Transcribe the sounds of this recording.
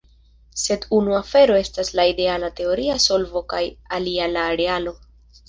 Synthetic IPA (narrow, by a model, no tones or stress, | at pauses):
se̞dunuafe̞ɾo̞e̞staslaide̞alate̞o̞ɾiaso̞lvo̞kajalialaːɾe̞alo̞